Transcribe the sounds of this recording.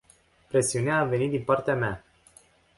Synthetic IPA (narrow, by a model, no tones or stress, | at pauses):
pɾe̞siuneaːvenit̪̚d̪inpart̪eamea